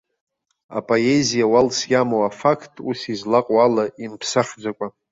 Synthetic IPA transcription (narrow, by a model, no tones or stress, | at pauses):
a̰pʼoezijawalsjamowafakʰtʼusizlaqʼwalaimpʰsaχd͡zʷakʷʼa